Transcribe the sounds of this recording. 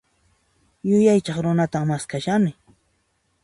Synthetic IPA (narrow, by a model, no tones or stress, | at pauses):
jʊjajt͡ʃɑχɾʊnat̪aŋmaskaʃanɪ